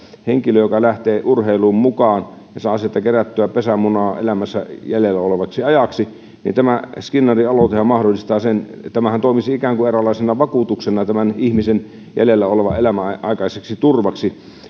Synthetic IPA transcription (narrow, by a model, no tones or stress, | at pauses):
heŋkiløjokɑlæht̪eːʔurheiluːmmukɑːn | jɑsɑːsiet̪ːækeræt̪ːyæpesæmunɑːḛlæmæsːæjælelːæoleʋɑksiɑjɑksi | nḭnt̪æmæskinːɑriɑlot̪ehɑmmɑhdolːˑist̪ɑːsen | t̪æmæhænt̪oˑimisiikæːŋkuerælːˑɑˑisenɑʋɑkuˑt̪uksenɑt̪æmænihmisen | jæ̰lelːæoleʋɑelæmæʔɑikɑiseksit̪urʋɑksi